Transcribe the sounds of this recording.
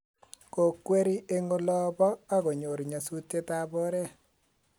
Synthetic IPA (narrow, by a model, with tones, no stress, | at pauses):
ko˨kwe˦ɾi˦ʔe˦ŋo˦lɔ˦bɔ˦a˦ɣo˨ɲo˨ɾɲa˨su˦te˦ta˦bɔ˦ɾɛ˦